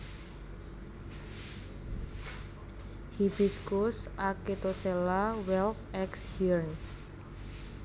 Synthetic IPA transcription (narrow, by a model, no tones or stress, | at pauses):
hibiskusaket̪osɛlawɛlkɛkshirn